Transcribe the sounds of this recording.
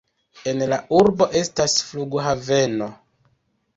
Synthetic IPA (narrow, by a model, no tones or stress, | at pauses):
e̞nlaʔuɾbo̞ʔe̞stasfluɡɦave̞no̞